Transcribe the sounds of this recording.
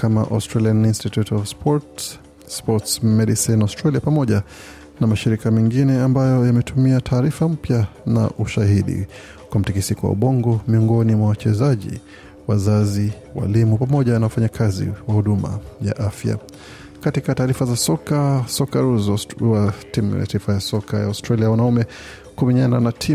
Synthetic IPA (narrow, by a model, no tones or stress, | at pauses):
kama̰ʔastɾalianinstitutɔvspɔɾt | spɔtsmɛɗisinaʊstɾaliapamɔʄa | namaʃiɾikamɛŋɡinɛambajɔjamɛtumiatʰaːɾifam̩pjana̰ʔuʃaɦiɗḭ | kwam̩tikisikɔwa̰ɓɔŋɡɔmiɔŋɡɔnimwawat͡ʃɛzaʄḭ | wazazi | wa̰limupamɔʄanawafaɲakʰazḭwahuɗuma̰ja̰ʔafja̰ | katikataːɾifazasɔkasɔkaɾuzɔwatimja̰taifajasɔkaja̰ustɾaliawanaumɛ | kumiɲananatʰi